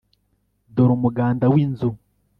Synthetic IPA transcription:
doɾumuɡaːndawiːnzu

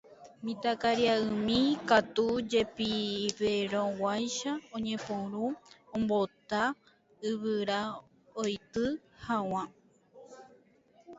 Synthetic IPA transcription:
mĩt̪akaɾiaɨmĩkat̪ud͡ʒe̞piβeɾõwajʃaõɲẽ̞põɾũõmbot̪a | ɨβɨɾa | ojt̪ɨ | haw̃ã

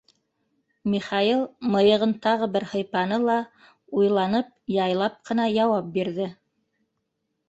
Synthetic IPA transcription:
mʲiχɑilˠmɤ̆jɤ̆ʁɤnt̪ɑʁɤbɘɾhɤ̆jpɑnɤlˠɑ | ujlˠɑnɤp̚jɑjlˠɑp̚qɤ̆nɑjɑwɑp̚biɾðɘ

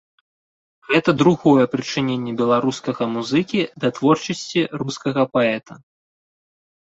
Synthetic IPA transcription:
ɣɛt̪ɐd̪ɾuɣɔjɛpɾɨt͡ʂɨnʲenʲːɛbʲɛlˠaɾuskɐɣɐmuzɨkʲid̪ɐt̪vɔrt͡ʂɐsʲt͡sʲiruskɐɣɐpaɛt̪ɐ

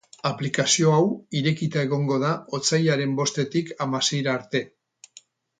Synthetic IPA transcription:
aplikasio̞awiɾe̞kit̪ae̞ɣ̞o̞ŋɡo̞ð̞aot͡sajaɾe̞mbo̞st̪e̞t̪ikamase̞jɾaːɾt̪e̞

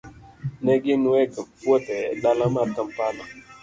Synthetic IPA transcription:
nɛɡinɛkpwɔtɛɗalamatəmpana

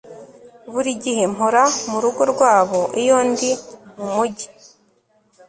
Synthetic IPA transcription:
βuɾiɟihe̞moɾamuɾuɡo̞ɾɡwaːβo̞ʔijo̞ːndimumuɟi̥

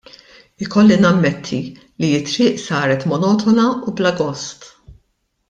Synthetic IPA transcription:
ɪkɔlːinɐmːɛt̪ʰːi | lijɪt̪ːɾɪːʔsɐːɾɛt̪mɔnɔːt̪ɔnɐublɐɡɔst̪

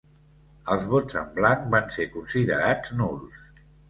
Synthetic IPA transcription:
əlˠzβod͡zəmblaŋkbansekunsiðəɾad͡znulˠs

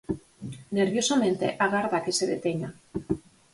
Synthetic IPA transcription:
neɾβjosamẽnt̪ḛʔaɣaɾðakeseðet̪eɲa

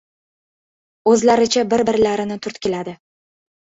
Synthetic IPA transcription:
ɵzlaɾɪt͡ʃʰabɪɾbɪɾlaɾɪnɪt̪ʰʊɾt̪kʲelad̪ɪ

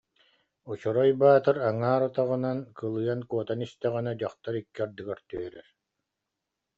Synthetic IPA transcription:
ut͡ɕɔɾɔjbaːt̪ɯɾaŋaːɾɔt̪aʁɯnankɯlˠɯjankuɔt̪anist̪ɛʁanad͡ʑaχt̪aɾikːiaɾd̪ɯɡaɾt̪y̰œɾɛɾ

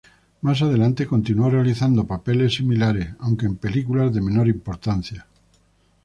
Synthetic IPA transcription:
mas̬að̞elant̪eko̞nt̪inuorealiθand̪opapelesimilaɾeawŋkeːmpelikulazðemenoɾimpoɾt̪an̟θja

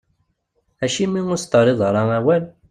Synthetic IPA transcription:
æʃimːiŋʊst̪əɾˤɪðˤɾˤɑæwæl

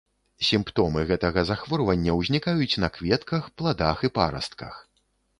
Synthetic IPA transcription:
sʲimpt̪ɔmɨɣɛt̪ɐɣɐzaxvɔrvɐnʲːɐwzʲnʲikajut͡sʲnɐkvʲɛt̪kɐxplˠad̪axipa̰ɾɐ̰st̪̚kɐ̰x

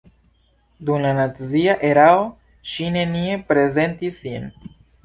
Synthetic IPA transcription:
d̪umlanat͡siaʔeɾao | ʃine̞niepɾe̞ze̞nt̪isin

